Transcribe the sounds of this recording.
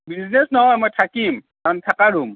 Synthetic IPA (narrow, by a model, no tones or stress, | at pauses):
biznesnɔɦɔjmɔjtʰakim | aɔntʰakaɾum